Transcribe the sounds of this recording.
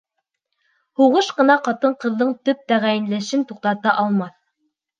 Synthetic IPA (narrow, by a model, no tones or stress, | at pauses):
huʁɤʃqɤ̆nɑqɑt̪ɤɴqɤ̆ðːɤɴt̪ɵp̚t̪æʁæjɘ̆nlæʃɘnt̪uq̚t̪ɑt̪ɑʔɑlˠmɑθ